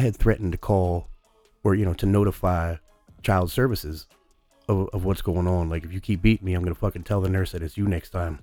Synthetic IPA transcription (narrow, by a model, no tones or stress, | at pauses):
aɪɨd̪̚θɹɛʔn̩tɨkʰɔlˠ | fə˞jɨnoʊɾɨnoʊɾəfaɪ | t͡ʃʰaɪlˠdz̥sɜ˞vɨsɪz | ʌʌvwʌtsɡ̥oʊɪ̃ŋə̃nlaɪkɨfjɨkʰip̚b̥iʔ̩miaɪ̃mɡʌnəfʌkɨ̃n̩tʰɛlˠðənɜ˞sɨɾɨzjɨnɛkstʰãɪ̃m